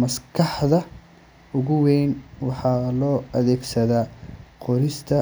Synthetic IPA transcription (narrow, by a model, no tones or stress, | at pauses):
mɐskʰɑħðɐ | ʊɣʊwɛːnwɑħɑːlɔːɐðɛːɡsɐðaːqɔɾɪst̪ʰɐ